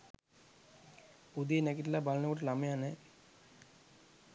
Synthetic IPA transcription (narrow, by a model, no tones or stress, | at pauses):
ud̪ienækiʈilabalənəkoʈəlamejane